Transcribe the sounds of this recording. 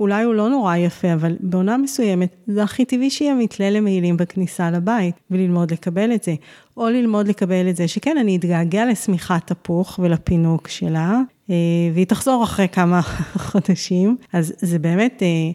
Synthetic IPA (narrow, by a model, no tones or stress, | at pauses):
ulajulo̞no̞ʁajafeavalbeo̞name̞suje̞me̞tzeaχitiviʃeiamitlelemeilimbeknisalabaitvelilmo̞dle̞kabe̞letze̞ | ʔo̞lilmo̞dle̞kabe̞letzeʃekenaniːtɡaːɡealesmiχatapuχvelapinukʃela | eveitaχz̥o̞ʁaχʁejkamaχodaʃimazzebe̞ːme̞te